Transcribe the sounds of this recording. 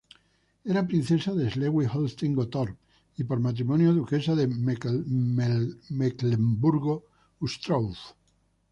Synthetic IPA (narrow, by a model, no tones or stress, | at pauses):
eɾapɾĩn̟θe̞saðezleɣwixolst̪iŋɡot̪oɾp | ipoɾmat̪̬ɾimõnjoðuke̞saðe | meklembuɾɣo | ust̪ɾowf